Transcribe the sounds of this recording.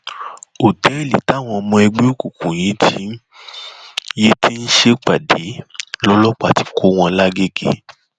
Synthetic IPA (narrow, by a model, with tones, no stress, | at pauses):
o˨tɛ˨˦i˦˨li˨ta˨˦˨w̃ɔ̃˧ɔ˧mɔ̃˧ɛ˧ɡ͡be˦o˦˨ku˨kũ˨j̃ĩ˨˦tʰi˨˦ | je˦tʰi˦n̩˦ʃe˦k͡pa˨de˨˦lɔ˦lɔ˦k͡pa˦˨ti̥˨˧kʰo˨˦w̃ɔ̃˧la˦ɡe˦ɡḛ˦